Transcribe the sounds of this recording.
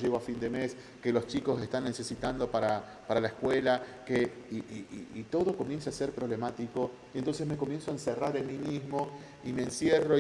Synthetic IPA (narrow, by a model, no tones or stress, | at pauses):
ʒeɣoafind̪e̞mes | kelo̞st͡ʃiko̞sest̪anːe̞se̞sit̪and̪o̞paɾa | paɾalaeskwelakeiiiːt̪o̞ðo̞ko̞mje̞nsaaseɾpɾo̞β̞le̞mat̪iko̞ | jent̪o̞ns̬ezmeko̞mje̞nsoaenseraɾenmimizmo | imeːnsjero̞